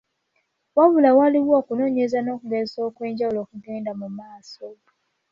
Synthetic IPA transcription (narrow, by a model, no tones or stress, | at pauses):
waβulawaliwo̞ːkuno̞ːɲezano̞ːkuɡezeso̞ːkwe̞ːɲɟawulo̞ːkuɡe̞ːndamumaːso